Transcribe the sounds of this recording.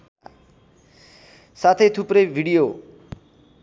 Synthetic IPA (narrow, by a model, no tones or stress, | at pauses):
sat̪ʰejt̪ʰuprʌjbʱiɽijo